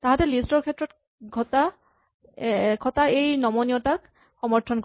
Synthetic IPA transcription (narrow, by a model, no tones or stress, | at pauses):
taɦatɛlistɔɹkʰɛtɹɔt | ɡʱɔta | kʰɔtaejnɔmɔniɔtak̚ | xɔmɔɹtʰɔnk